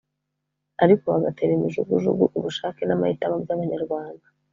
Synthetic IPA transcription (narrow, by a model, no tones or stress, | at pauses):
aɾikoβaβatʰeɾemiʒuɡuʒuɡuʔuβuʃaːkenama̰hitamabɟaβaɲaɾɡwaːnda